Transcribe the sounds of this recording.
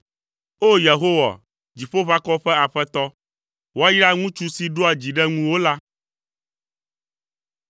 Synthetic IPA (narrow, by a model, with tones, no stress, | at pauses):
o˦je˨ɦo˦wa̰˨ | d͡ʑi˨ɸo˦βa˦kɔ˦ɸɛ˦a˨ɸɛ˦t̪ɔ˦ | wo˦a˦ji˦ɾa˦ŋũ˦t͡ʃu˦si˦ɖo˦a˨d͡ʑi˨ɖɛ˦ŋũ˦wo˦la˦